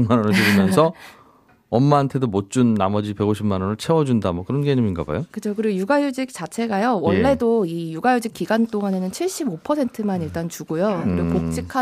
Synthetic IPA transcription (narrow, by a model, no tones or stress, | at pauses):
manʌnɯɭt͡ɕuɾimjʌnsʰʌ | ʌmːaːntʰe̞domot̚t͡ɕ͈unːamʌd͡ʑipe̞ɡoɕʰib̚manʌnɯɭt͡ɕʰe̞wʌd͡ʑundamʌkɯɾʌnɡeɲiminɡa̰ba̰jokɯt͡ɕʰokɯɾiɡojuɡajud͡ʑik̚t͡ɕ͈at͡ɕʰe̞ɡajowʌɭːe̞doijuɡajud͡ʑik͈iɡant͈oŋane̞nɯnt͡ɕʰiɭɕ͈ibopʰʌsʰe̞ntʰɯmaniɭt͈ant͡ɕuɡojokɯɾɾiɡopot͡ɕ͈ikʰa